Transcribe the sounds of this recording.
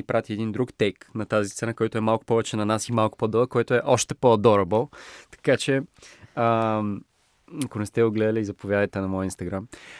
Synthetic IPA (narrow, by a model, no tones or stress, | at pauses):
ipɾʔat̪ʲiɛd̪ind̪ɾukt̪ɛjknɐt̪azist̪sɛnakɔjt̪ʊɛmalˠkʊ̥pɔvɛt͡ʃɛnɐnasimalˠkʊ̥pɔd̪ɔɐkːɔjt̪oɛʔɔʃt̪ɛpod̪ɔɾɐbɔt̪ɐ̥kat͡ʃɛə | ɐkonɛst̪ɛod̪ɡlɛd̪ɐlʲiːzɐpovʲjad̪əjt̪ɛnɐmɔjəinst̪ɐɡɾam